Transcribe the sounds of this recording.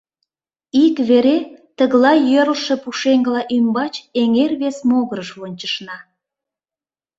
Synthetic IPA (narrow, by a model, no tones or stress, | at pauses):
ikβeɾet̪əɣlɑjøɾəlʃĕpuʃeŋɡəlɑʔymbɑt͡ɕeŋerβesmoɣəɾəʃβunʲt͡ɕəʃnɑ